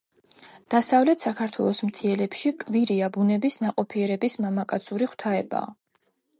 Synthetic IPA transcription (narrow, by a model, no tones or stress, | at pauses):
d̪̥asavlɛt̪ʰsakʰaɾt̪ʰwɛlˠɔsmt̪ʰiɛlɛpʃikʼviɾiabunɛbisnaqʼɔpʰiɛɾɛbismamakʼat̪sʰuɾiχwt̪ʰaɛba̰ː